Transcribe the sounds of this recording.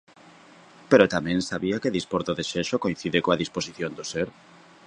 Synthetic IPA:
peɾot̪amɛ̃ŋsaβiakeðispoɾt̪oðeʃeʃokoĩn̟θiðɪkoaðisposiθjond̪oseɾ

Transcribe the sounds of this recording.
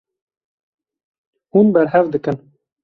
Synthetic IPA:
hunbɛɾɦɛvd̪ɨkɨn

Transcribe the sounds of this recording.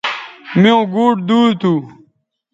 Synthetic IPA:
miõɡuːʈd̪uːt̪u

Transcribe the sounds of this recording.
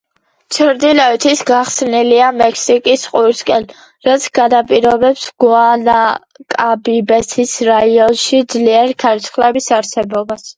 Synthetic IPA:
t͡ʃʰɾd̪ilɔɛt̪ʰisɡaχsniliamɛkʰsikʼisqʼuɾskʼɛl | ɾat̪sʰɡ̥anapʼiɾɔbɛpsɡ̥wana | kʼabibɛsʰisɾaiɔnʃid̪zliɛɾikʰaɾt̪sʰχlɛbisaɾsɛbɔbas

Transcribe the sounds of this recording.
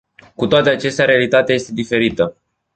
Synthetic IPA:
kut̪oat̪eat͡ʃe̞st̪eaɾealit̪at̪eaje̞st̪e̞d̪ife̞ɾit̪ə

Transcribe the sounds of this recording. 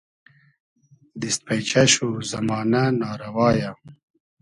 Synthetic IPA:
d̪ist̪̚pɐjt͡ɕɐɕuzɐmɑːnanɑːɾɐwɑːja

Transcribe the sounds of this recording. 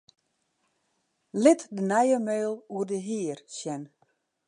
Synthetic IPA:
lɪtdənɛjəmeːlˠuərdəɦiːərsjɛn

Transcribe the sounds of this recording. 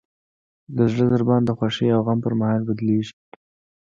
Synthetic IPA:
d̪əzɽəzəɾbɑnd̪əxwaʃejawɣampəɾmahɑlbad̪leʒi̥

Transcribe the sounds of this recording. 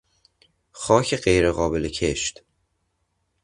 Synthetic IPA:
xɒːcʰeɢejɾeɣɒːbelecʰe̞ʃt̪

